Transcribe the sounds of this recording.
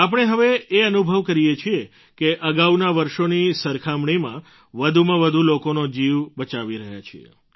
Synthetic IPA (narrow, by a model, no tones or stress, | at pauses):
ap̬əɽ̃eɦəʋeeənubʱəʋkəɾijet͡ʃʰie | keʔəɡaunaʋəɾʃonisəɾkʰamɳimã | ʋəd̪ʱumãʋəd̪ʱulokonod͡ʒiʋbət͡ʃaʋiɾəɦja̰t͡ʃʰḭḛ